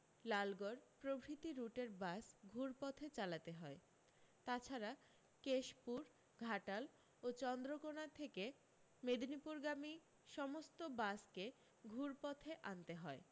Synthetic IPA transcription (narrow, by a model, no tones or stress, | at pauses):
lalɡoɾpɾobʱɾit̪iɾuʈeɾbasɡʱuɾpɔt̪ʰet͡ɕalat̪eɦɔe | t̪at͡ɕʰaɾa | keʃpuɾ | ɡʱaʈal | ot͡ɕɔnd̪ɾokonat̪ʰeke | med̪nipuɾɡami | ʃɔmost̪obaske | ɡʱuɾpɔt̪ʰeʔant̪eɦɔe